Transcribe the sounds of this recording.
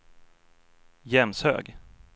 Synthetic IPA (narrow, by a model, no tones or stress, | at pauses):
jɛmshø̰ːɡ